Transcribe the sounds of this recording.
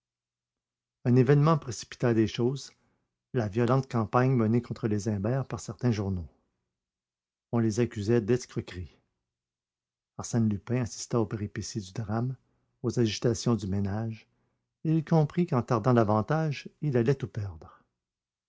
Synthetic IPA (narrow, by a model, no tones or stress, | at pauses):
œ̃nevɛnmɑ̃pʁesi̥pi̥t̪aːd̪eʃoːz | lavjɔlɑ̃t̪kɑ̃paɲmənekɔ̃t̪χəlezɛ̃bɛːʁpaʁsɛʁt̪ɛ̃ʒuʁno | ɔ̃lezakʲyzɛd̪ɛskʁəkʁi | aʁsɛnlypɛ̃asi̥st̪aopeʁipesid̪yd̪ʁam | ozaʒit̪asjɔ̃d̪ymenaʒ | eilkʰɔ̃pʁikɑ̃t̪aʁd̪ɑ̃d̪avɑ̃t̪aʒilalɛt̪upɛʁd̪ʁə